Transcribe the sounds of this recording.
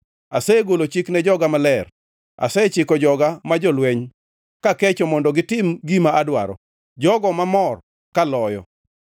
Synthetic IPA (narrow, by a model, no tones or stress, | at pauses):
asɛɡolot͡ʃiknɛd͡ʒɔɡamalɛr | a̰sɛt͡ʃɪkɔd͡ʒɔɡamad͡ʒɔlwɛɲ | kakɛt͡ʃɔmɔndɔɡɪtɪmɡimaadwa̰ɾɔ̰ | d͡ʒɔɡɔmamɔr | kalɔjɔ̰